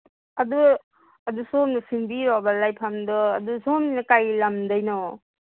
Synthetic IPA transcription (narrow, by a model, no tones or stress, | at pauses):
adu | adusɔnɔsiŋbiɾɔbalajpʰamdɔːdusɔnnakajlamdajnɔ